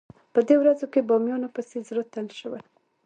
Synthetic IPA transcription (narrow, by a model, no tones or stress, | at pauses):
pəd̪ewɾazokebɑmjɑnopəsezɾot̪ːalʃəwəl